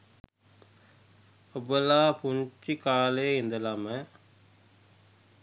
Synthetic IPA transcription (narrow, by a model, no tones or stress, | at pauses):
ɔbɐlaːpuɲt͡ʃikaːleːɪnd̪ɐlamɐ